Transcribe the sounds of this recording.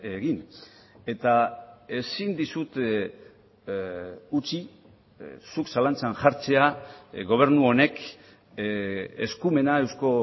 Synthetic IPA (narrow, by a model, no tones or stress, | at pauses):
eɣine̞t̪ae̞sind̪isut̪ | ut͡si | suksalant͡sanʝaɾt͡se̞aɡo̞β̞e̞ɾnuo̞ne̞k | ḛskume̞nae̞wsko̞